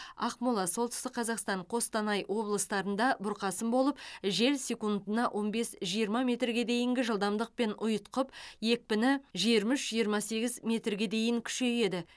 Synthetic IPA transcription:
ɑ̰qmulˠɑso̞lˠt̪ɪst̪ɪk̚qʰɑzɑqst̪ɑɴqʰo̞st̪ɑnɑjwo̞blˠəst̪ɑɾənd̪ɑbʊɾqɑsəmbo̞lˠəpʒe̞lsʲe̞kund̪ənɑʔwʔo̞nbe̞sʒijəɾmɑmʲe̞t̪rɡʲe̞d̪e̞jɪŋɡʲɪʒəlˠd̪ɑmd̪əq̚pe̞nʊjət̪qəpje̞k̚pɪnɪʒijəɾmʏʃʒijəɾmɑse̞ɡʲɪzmʲe̞t̪rɡʲe̞d̪e̞jɪŋkʲʰʏ̥ʃe̞je̞d̪ɪ

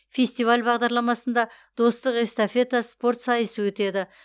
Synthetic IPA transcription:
fʲe̞sʲt̪ijvalʲbɑʁd̪ɑɾlˠɑmɑsənd̪ɑ | d̪̥o̞st̪əqe̞st̪afʲe̞t̪aspo̞rt̪sɑjəsəwɵt̪e̞d̪ɪ

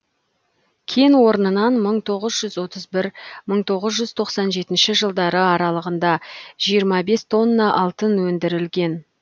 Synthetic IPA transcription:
kʲʰenwo̞ɾənənɑnməɴt̪ʰo̞ʁəzʒʏzwo̞t̪əzbɪɾməɴt̪ʰo̞ʁəzʒʏz̥t̪ʰo̞qsɑnʒe̞t̪ɪnʃɪʒəlˠd̪ɑɾəɑɾɑlˠəʁənd̪ɑʒ̥ijəɾmɑbe̞st̪ʰo̞nːɑʔɑlˠt̪ənwɵnd̪ɪɾɪlɡʲe̞n

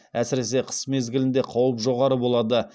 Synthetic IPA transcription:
æsɪɾe̞se̞qʰə̥sme̞zɡʲɪlɪnd̪e̞qʰɑwəpʒo̞ʁɑɾəbo̞lˠɑd̪ə

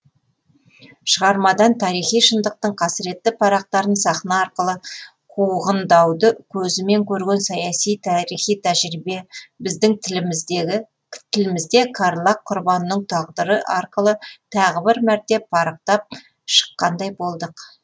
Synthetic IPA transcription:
ʃəʁɑɾmɑd̪ɑnt̪ʰɑɾijχijʃənd̪əq̚t̪əɴqʰɑsɪɾe̞t̪ːɪpʰɑɾɑq̚t̪ɑɾənsɑχnɑːɾqəlˠə | qʰuʁənd̪ɑwd̪əkʲʰɵzɪme̞ŋkʲʰɵɾɡʲe̞nsɑjɑsijt̪ʰæɾijχijt̪ʰæʒɾibe̞bɪzd̪ɪŋ | t̪ʰɪlɪmɪzd̪e̞kʰɑɾlˠɑqʰːʊɾbɑnːəɴt̪ʰɑʁd̪əɾəʔɑɾqəlˠət̪ʰɑʁəbɪɾmæɾt̪e̞ppʰːɑɾɑq̚t̪ɑp̚ | ʃə̥qːɑnd̪ɑjbo̞lˠd̪əq

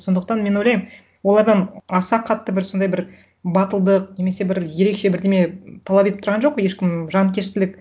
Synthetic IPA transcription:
so̞nd̪əq̚t̪ɑnmenojlɑjm | wo̞lˠɑɾd̪ɑnɑsɑqʰɑt̪ːəbɪɾso̞nd̪ɑjbɪɾ | bɑt̪əlˠd̪əq̚ne̞mese̞bɪɾje̞ɾe̞kʃe̞bɪɾd̪e̞met̪ʰɑlˠɑpeɪpt̪ʰɾʁɑnʒo̞q̚ːje̞ʃkʲɪmʒɑnkʲʰe̞st̪ɪlɪk̚

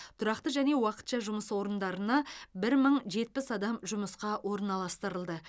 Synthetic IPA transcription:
t̪ʰʊɾɑqt̪əʒæne̞wɑqə̥t̪ʃɑʒʊməswo̞ɾənd̪ɑɾənɑbɪɾməɴʒe̞t̪̚pɪsɑd̪ɑmʒʊməsqɑwʔo̞ɾənɑlˠɑst̪əɾəlˠd̪ə

